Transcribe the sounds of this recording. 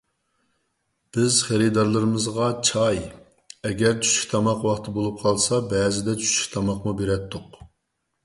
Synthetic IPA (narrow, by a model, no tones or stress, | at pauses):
b̥ɪzχeɾɨd̪ɑɾlˠɨɾɨmɨzʁɑt͡ʃʰɑj | ɛɡʲɛɾt͡ʃʰy̥t͡ʃkʲt̪ʰɑmɑqwɑχt̪ʰɨbolˠup̚qʰɑlˠsɑbɛːzɪd̪ɛt͡ʃʰy̥t͡ʃkʲt̪ʰɑmɑqmubeɾɛt̪ʰːʊq